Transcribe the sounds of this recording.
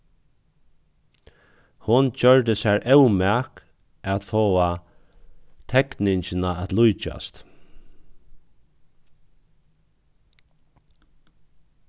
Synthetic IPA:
hʊnt͡ɕœɹt̪əsæɹʔɛwmɛk | at̪foːa | t̪ʰɛknɪɲt͡ʃɪnaæt̪lʊjt͡ʃa̰st̪

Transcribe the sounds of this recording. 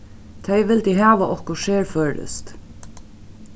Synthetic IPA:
t̪ʰeɪʋɪld̪iɦɑːʋəʔɔhkɔʃeːɹføːɾə̰st̪

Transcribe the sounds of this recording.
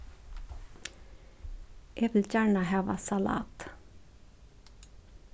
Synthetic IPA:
ʔeːʋɪlçæːɳəhɑːʋɑ̰sɑlɑ̰ːt̪

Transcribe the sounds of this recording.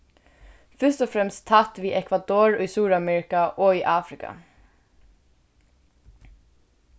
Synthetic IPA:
fʏʂt̪ɔfɾɛmst̪t̪ʰːat̪ʋiːʔɛkʰvad̪oːɹʊjsuːɹamɛːɹɪkaʔoːiːʔaːfɾɪka̰

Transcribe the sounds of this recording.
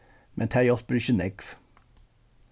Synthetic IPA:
mʔɛ̰nt̪ʰæjɔsb̥ɾyːʃənɛɡf

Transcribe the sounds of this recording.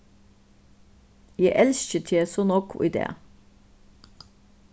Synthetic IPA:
jæɪʔɛlsçət̪ʰeːsoːnɔkʰʊ̰ʔḭd̪ḛː

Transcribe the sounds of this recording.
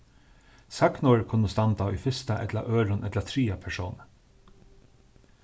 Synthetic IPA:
sɑknɔɹkʰʊnʊst̪ɑnd̪ɑːiːfɪst̪ɑʔɛ̰t̪lɑ̰ʔøːɾʊnʔɛt̪lət̪ʰɾiːɑpʰæʃuːn

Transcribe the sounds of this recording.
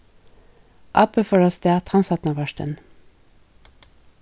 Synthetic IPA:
ʔɑpəfɔɹɔsd̪eːæːt̪ʰɑnsɑt̪n̩ɑːʋɑʃʈə̰n

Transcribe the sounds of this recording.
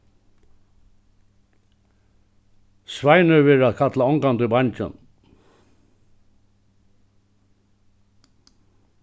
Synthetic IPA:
svajnəʋeːɾaðkʰat̪laɔŋkand̪əbaɲt͡ʃə̰n

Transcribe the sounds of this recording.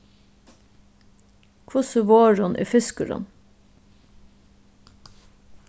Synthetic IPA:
kʰʋʊsəʋoːɹʊnʔḛːfɪskəɹʊ̰n

